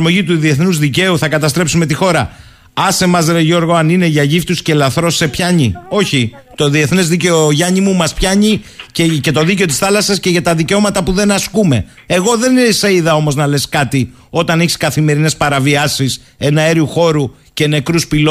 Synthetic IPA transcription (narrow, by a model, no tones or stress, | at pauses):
ɾmo̞ʝit̪uðie̞θnuzðice̞uθɐkɐt̪ɐst̪ɾe̞psumet̪ixo̞ɾɐ | ɐse̞mɐzɾeʝo̞ɾɣo̞ɐnine̞ʝɐʝift̪usce̞lɐθɾo̞se̞pçɐɲio̞çi | t̪o̞ðie̞θnezðice̞oʝɐɲimumɐspçɐɲicece̞t̪o̞ðice̞o̞t̪̬isθɐlɐsɐsce̞ʝɐt̪ɐðiceo̞mɐt̪ɐpuðe̞nɐskume̞ | eɣo̞ðe̞ninsɐiðɐo̞mo̞znɐle̞skɐt̪i | o̞t̪ɐneçi̥skɐθime̞ɾine̞spɐɾɐviɐsis | e̞nɐeɾiuxo̞ɾu | ce̞ne̞kɾuspilo